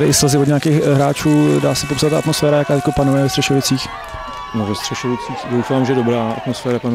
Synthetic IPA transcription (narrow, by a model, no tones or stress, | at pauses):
ɾɪʔɪsazɪvodɲaːkexɦɾaːt͡ʃuːdaːsɛpopsat̪ːaʔat̪mo̞sfɛːɾajakaːt̪ɪt̪kopanujɛvɛst̪r̥ɛʃovɪt͡siːx | novɛst̪r̥ɛʃovɪt͡siːxdowfaːmʒɛdo̞bɾaːʔa̰t̪mosfɛːɾɛpanu